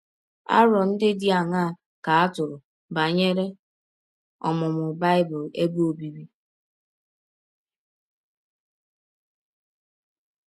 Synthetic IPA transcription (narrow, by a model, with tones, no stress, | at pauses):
a̰˦ɾɔ˨n̩˦dɪ˦di˦a˨ŋa˦˨ | ka˨a˦tʊ˨ɾʊ˨ | ba˨ɲe˦ɾe˦ | ɔ̰˨mʊ˨mʊ˨ba˦ɪ˦bʊ˨le˦bo˨bi˨bi˦